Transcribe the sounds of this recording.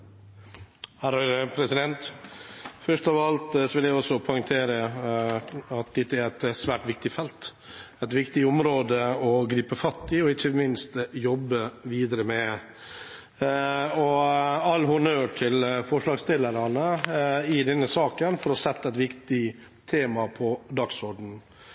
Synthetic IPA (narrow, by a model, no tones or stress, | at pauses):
hæːɾhɑɾəpʰɾɛsɪd̪ɛnt̪ | fœʂʈ̪ɔʋɑlt̪sɔʋɪljæɪɔsɔpʰɔʏŋt̪ʰeːɾə | ɑt̪̚d̪ɛt̪ːəæɾæt̪sʋæːʈʋɪk̚t̪ɪfɛlt̪ | ɛt̪ʋɪkt̪ɪʊmɾoːd̪əɔɡɾiːpəfɑt̪ːɪɔɪçəmɪnst̪jɔbːəʋiːd̪əɾəmɛ | ɔɑlːɦʊnøːʈʰɪlfɔʂɭɑːɡst̪ɪlːəɾɑnəɪd̪ɛnːəsɑːkənfɔɾɔsɛt̪ːɑɛɪt̪ʋɪkt̪ɪ | t̪ʰeːmɑpʰɔd̪ɑksɔɖɳ̩